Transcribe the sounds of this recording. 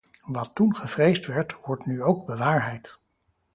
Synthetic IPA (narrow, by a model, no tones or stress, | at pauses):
ʋɑtːunχəv̥rejstʋɛɹtʋɔɹtnyowɡ̚bəʋaːɹɦɛjt